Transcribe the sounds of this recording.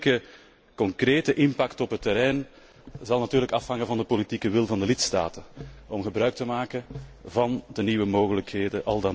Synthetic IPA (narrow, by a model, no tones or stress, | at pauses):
kə | kɔŋkreːtəʔɪmpɑktɔpɦətːəɾɛjn | zɑlˠnatyːrləkɑfhɑŋəvɑndəpolitikəʋɪlˠvɑndəlɪtsta̰ːtəɔmɣəbrœːɥk̚təmaːkənvɑndəniːwəmoːɣələkheːdəʔɑlˠdɑ